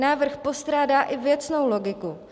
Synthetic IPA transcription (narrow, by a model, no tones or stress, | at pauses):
naːvr̩xpo̞st̪ɾaːdaːʔɪvjɛt͡sno̞wlo̞ɡɪku